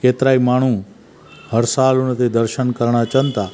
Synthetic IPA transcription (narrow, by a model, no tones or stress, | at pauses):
ket̪ɾaimaɳ̤̃ũ | həɾsalunət̪ed̪əɾʃənkəɾɳat͡ʃənt̪a